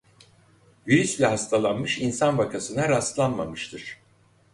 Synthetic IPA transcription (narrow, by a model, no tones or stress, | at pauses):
viɾyslʲɛɦast̪ʰalˠanmɯʃinsanbakʰasɯnaɾast̪lˠanmamɯʃt̪ʰɯɾ̝̥